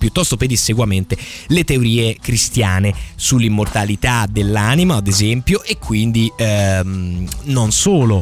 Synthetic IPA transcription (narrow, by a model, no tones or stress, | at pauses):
pjut̪ːɔst̪oped̪isːeɡwament̪elet̪eoɾiːekɾist̪jaːnesulːimːort̪alit̪ad̪elːaːnimaːd̪ezɛmpjoʔekːwind̪imnonsoːlo